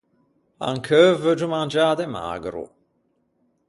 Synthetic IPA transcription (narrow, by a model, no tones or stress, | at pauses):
a̰ŋkʰøvəd͡ʒumand͡ʒaːd̪ema̰ːɡɾṵ